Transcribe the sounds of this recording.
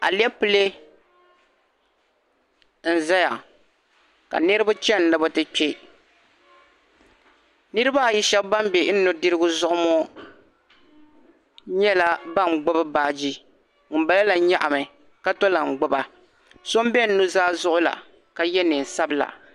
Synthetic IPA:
a̰˨li˦ɛ˦pɨ˦le˦ | n̩˨za˦ja˨ | ka̰˨nɨ˦ɾɨ˦ba˦t͡ʃɛ˦n̩˨nɨ˨bʊ˦tɨ˦k͡pɛ˦ | nɨ˦ɾɨ˦ba˦˨ji˦ʃɛ˦bba˦m˦bɛ˨˦nːʊ˨˦dɨ˦ɾɨ˦ɡʊ˦zʊ˦ʔʊ˦mɔ˦ | ɲɛ˦la˦ba˦˨ŋ͡m̩˨ɡ͡bʊ˦bɨ˦baː˨d͡ʒi˦ | ŋ̩˨ba˦la˦la˨ɲa˦ʔa˨mɨ˨ | ka˦to˦la˨ŋ͡m̩˨ɡ͡bʊ˦ba˨ | so˦m˦bɛ˦n̩˦nu˦zaː˦zʊ˦ʔʊ˦la̰˨ | ka˨jɛ˦nɨ˨n̩˨sa˦bɨ˦la̰˨

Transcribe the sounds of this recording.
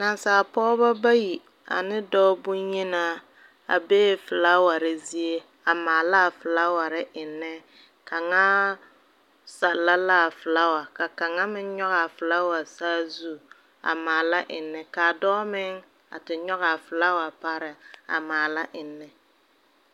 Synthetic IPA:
na˨nsaː˨pɔː˦ba˦ba˦ji˨ | a̰˨nɪ˦dɔ˦bʊ˦nɲi˦na˦ | a̰˨beː˦fɪ˨la˦wa˨ɾɪ˦zi˦e˦ | a˨maː˨la˦˨fɪ˨la˦wa˨ɾɪ˦ʔɪ˨nːɪ˦ | ka˨ŋa˦ | sa˨lːa˦laː˦˨fɪ˨la˦wa˨ka˨ka˨ŋa˦mɪ˦nɲɔ˦ɣa˨fɪ˨la˦wa˨saː˦zu˦˨ | a̰˨maː˨la˦ʔɪ˨nːɪ˨ka˨dɔː˦mɪ˦ŋ | a̰˨tɪ˨ɲɔ˦ɣa˨fɪ˨la˦wa˨pa˦ɾɪ˨a̰˨maː˨la˦ʔɪ˨nːɪ˨

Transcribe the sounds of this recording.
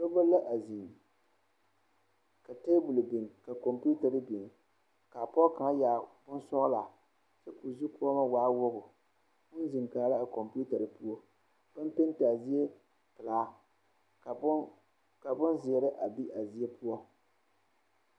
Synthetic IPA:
ko˦bo˦lːa˦ʔa˨zi˨ŋ | ka˨teː˦bu˨lbɪ˨ŋ˨ka˨ko˨mpu˦ta˨ɾɨ˦bi˨ŋ˨ | ka˨pɔ˦ka˨ŋa˦ja˨bʊ˦nsɔ˦ʔla˨ | t͡ʃa˦ku˨zu˦ku˦ɔ˦ma˦waː˦wʊ˦ɣʊ˨ | mʊ˦n˦zi˨ŋkaː˨˦la˦a˨ko˨mpu˦ta˨ɾɨ˨pu˦ɔ˦ | b̥a˦mpe˦n˦ta˨zi˦je˦ | pɨ˨laː˨˦˨ | ka˨bʊ˦nzɪ˨ɛ˨ɾɪ˦ʔa˨bi˦ʔa˨zi˦e˦pu˦ɔ˦

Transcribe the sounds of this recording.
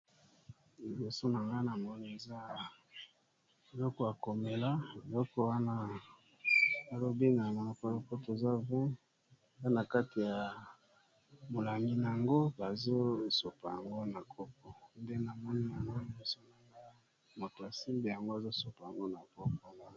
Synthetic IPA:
li˨bo˨so˦na˨ŋɡa˦na˨mɔ˦ni˦e˨za˦ | e˨lɔ˦kɔ˦a˨ko˨me˨la˦e˨lɔ˦kɔ˦wa˦na˦ | a˨lo˦bi˦na˨a˨˦ka˦lo˦kɔ˦to˨za˦vɛ̃˦˨ | za˦na˨ka˦ti˨ja˨ | mo˨la˨mi˦na˨a˨ŋɡo˦ba˨zo˦so˨pa˨ja˨ŋɡo˦na˨kʰo˦k̚ɔ˦nde˦na˨mɔ˦ni˦ja˨ŋɡo˦li˨bo˨so˦na˨ŋɡa˦ | mo˨to˨a˨si˦mbe˨ja˨ŋɡo˦a˨zo˦su˨pa˨ja˨ŋɡo˦na˨ko˦kɔ˦na˦

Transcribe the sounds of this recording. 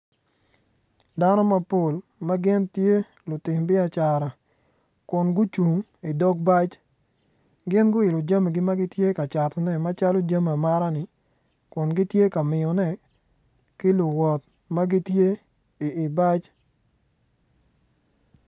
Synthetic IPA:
da˦nɔ˦ma˦po˨lma˦ɡɪ˦ntje˦ | lʊ˨tɪ˨mbɪ˦a˨t͡ʃa˨ɾa˨ | kʊ˨nɡʊ˦t͡ʃu˨ŋ | ɪ˨dɔ˦k̚ba˦t͡ʃ | ɡɪ˦nɡʊ˦ɪ˨lɔ˨d͡ʒa˦me˨ɡɪ˦ma˦ɡɪ˦tje˦ka˨t͡ʃa˨tɔ˨nɛ˦ma˦t͡ʃa˦lo˦d͡ʒa˦ma˨ma˦ɾa˦nɪ˨ | kʊ˨nɡɪ˦tje˦ka˨mɪ˨ɔ˨nɛ˦˨ | kɪ˦lʊ˨wɔ˨t̚ | ma˦ɡɪ˦tje˦ | ɪ˨ɪ˨ba˦t͡ʃ

